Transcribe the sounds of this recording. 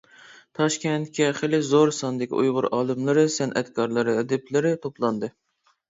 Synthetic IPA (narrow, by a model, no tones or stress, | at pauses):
t̪ʰɑʃkʲɛnt̪kʲɛχelɪzoɾsɑnd̪ɪkʲḭujʁʊɾɑːlˠɨmlˠɨɾɨsɛnʔɛt̪kʰɑɾlˠɨɾɨːd̪ɪplɪɾɪt̪ʰoplˠɑnd̪ɨ